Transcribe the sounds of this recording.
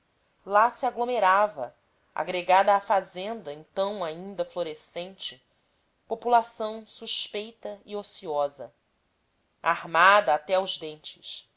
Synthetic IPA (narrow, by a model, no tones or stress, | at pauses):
lasiaɡlomeɾavɐ̰ | a̰ɡɾeɡad̪ɐːfazẽnd̪ɐẽnt̪ɐ̃w̃aĩnd̪ɐfloɾesẽnt͡ʃɪ | populasɐ̃w̃suʃpejt̪ɐiosiɔzɐ | a̰hmad̪ɐːt̪ɛawʒd̪ẽnt͡ʃɪ̥ʃ